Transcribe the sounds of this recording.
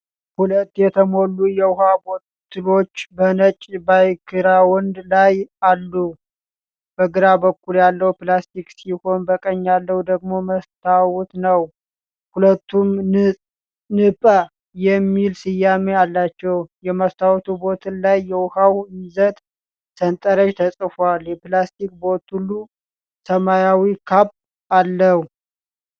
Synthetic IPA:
hulət̪ːjɛt̪ʰəmo̞lːujɛwʊhabot̪ʰːɨlo̞t͡ʃːbənət͡ʃʼbajkʰɨɾawɔnd̪lajalːu | b̥əɡɨɾabəkːuljalːəwuplast̪iksiho̞nbəkʼəɲːalːəhud̪əɡmo̞məst̪ʰawut̪nəw | hulət̪ːum | nɨpʼə | jɛmːilsɨjːamealːat͡ʃːɛwjɛməst̪ʰawt̪ʰubo̞t̪ʰɨnlajːɛwʊhawjɪzət̪ʼ | sənt̪ʼəɾəʃt̪ʰəsʼfoaljɛplast̪ik̚bo̞t̪ulːu | səmajawikʰapː | alːəh

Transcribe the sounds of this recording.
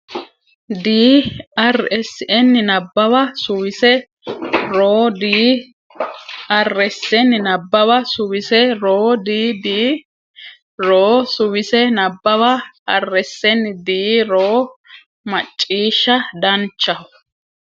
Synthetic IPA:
d̪iːɐrɛsːɪʔɛnːɪnɐbːɐbɐsʊwɪsɛ | ɾoːd̪iː | ɐrːɛsːɛnːɪnɐbːɐbɐsʊwɪsɛɾoːd̪iːd̪iː | ɾoːsʊwɪsɛnɐbːɐβɐɐrːɛsːɛnd̪iːɾoː | mɐt͡ʃʼːiːʃːɐd̪ɐnt͡ʃːɐ

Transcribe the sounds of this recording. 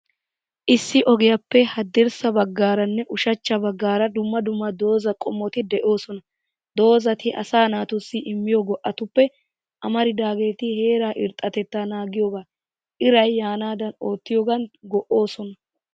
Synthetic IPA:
ʔɪsːɪʔɔɡɪjɐpːɛhɐd̪ːɪɾsɐbɐɡːaːɾɐnːɛʔʊʃɐt͡ʃːɐbɐɡːaːɾɐd̪ʊmːɐd̪ʊmːɐd̪o̞ːzɐkʼɔmːɔt̪ɪd̪ɛʔo̞ːsɔnɐ | d̪o̞ːzɐt̪ɪʔɐ̰saːnaːt̪ʊsːɪʔɪmːɪjɔɡɔʔːɐt̪ʊpːɛ | ʔɐmɐɾɪd̪aːɡe̞ːt̪ɪhe̞ːɾaːʔɪɾt̪ʼːɐt̪ɛt̪ːaːnaːɡɪjoɡaː | ʔɪɾɐjːaːnaːd̪ɐno̞ːt̪ːɪjoɡɐnɡɔʔːo̞ːsɔnɐ

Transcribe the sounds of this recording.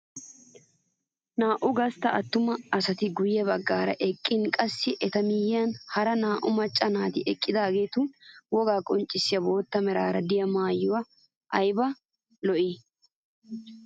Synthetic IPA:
naːʔʊɡɐst̪ɐʔɐt̪ːʊmɐɐsɐt̪ɪɡʊjɛbɐɡːaːɾɐ̰ʔɛkʼːɪnkʼɐsːɪʔɛt̪ɐmɪjɪjɐnhɐɾɐnaːʔʊmɐt͡ʃʼːɐnaːt̪ɪʔɛkʼːɪd̪aːɡe̞ːt̪ʊwɔɡaːkʼɔnt͡ʃʼːɪsːɪjɐbo̞ːt̪ːɐmɛɾaːɾɐd̪ɪjɐmaːjːʊwɐ | ʔɐjbɐ | lɔʔiː

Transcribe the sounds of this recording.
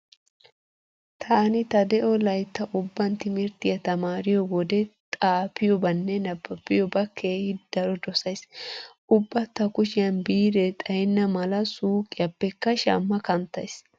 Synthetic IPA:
t̪ʰaːnɪt̪ɐd̪ɛʔɔlɐjt̪ːɐʔʊbːɐnt̪ɪmɪɾt̪ɪjɐt̪ɐmaːɾɪjɔɡɔd̪ɛt̪ʼaːpːɪjɔbɐnːɛnɐbːɐpːɪjɔbɐkʰːeːhɪd̪̥ɐɾɔd̪ɔsɐjsʔʊbːɐt̪ːɐkʊʃɪjɐnbiːɾɛt̪ʼɐjɛnːɐmɐlɐsuːkʼɪjɐbːɛkːɐʃa̰ːmːɐkɐnt̪ːɐjs

